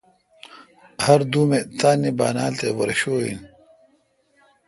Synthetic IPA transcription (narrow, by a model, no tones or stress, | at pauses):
hɐɾd̪uːmet̪aːnːibaːnaːlt̪ewɐɾɕoːḭn